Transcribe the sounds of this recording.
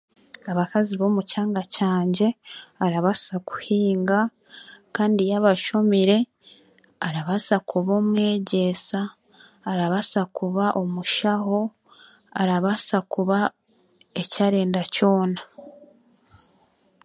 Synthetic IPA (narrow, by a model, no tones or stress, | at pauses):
aβakaziβo̞ːmucaːŋɡacaːɲɟe̞aɾaβasaku̥hiːŋɡa | kaːndijaβaʃomiɾe̞ | aɾaβasakuβo̞mŋe̞ːɟe̞saː | ɾaβasakuβaʔo̞muʃaɦo̞ | aɾaβasakuβa | e̞caɾe̞ːndaco̞ːna